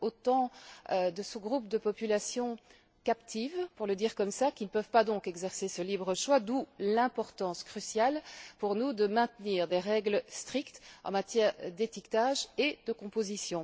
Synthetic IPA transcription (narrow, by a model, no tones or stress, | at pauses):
ot̪ɑ̃ød̪əsəɡʁupd̪əpɔpylasjɔ̃ | kapt̪ʰivpuʁləd̪iːʁkɔmsakʲilnəpœvpad̪ɔ̃kɛɡzɛʁsesəlibʁəʃwad̪ulɛ̃pɔʁt̪ɑ̃skχysjalpuʁnud̪əmɛ̃t̪niːʁd̪eʁɛɡləst̪χikt̪ɑ̰̃mat̪jɛːʁd̪et̪ikt̪aʒed̪əkɔ̃pozisjɔ̃